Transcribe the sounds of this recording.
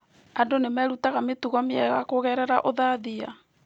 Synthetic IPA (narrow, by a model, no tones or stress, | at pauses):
andonemɛɾutaɣametuɣɔmeɛɣakoɣɛɾɛɾaʔoðaðia̰